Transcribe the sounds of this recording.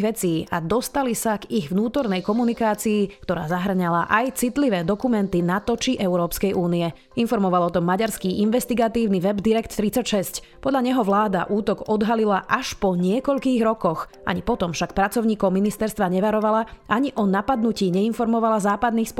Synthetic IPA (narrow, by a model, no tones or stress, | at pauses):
ʋɛt͡siːad̪ɔst̪alisaɡiɣvnuːt̪ɔɾnɛjkɔmunikaːt͡siːkt̪ɔɾa̰ːzaɦr̩ɲalaʔajt͡sit̪liʋɛːd̪ɔkumɛnt̪inat̪ɔt͡ʃiʔɛʊɾɔːpskɛjʔuːniɛ | infɔɾmɔʋalɔt̪ɔmːaɟaɾskiʔinʋɛst̪iɡat̪iːʊniʋɛbd̪iɾɛkt̪ːɾit͡sacʃɛsc | pɔd̪ʎaɲɛɦɔʋlaːd̪a̰ʔuːt̪ɔɡɔd̪ɦalilaʔaʃpɔɲɪɛkɔʎkiːɣɾɔkɔx | ʔa̰ɲipɔt̪ɔmfʃak̚pɾat͡sɔʊɲiːkɔʊminist̪ɛɾst̪ʋaɲɛʋaɾɔʋalaʔaɲiʔɔnapad̪nuciːɲɛinfɔɾmɔʋalazaːpad̪niːxsp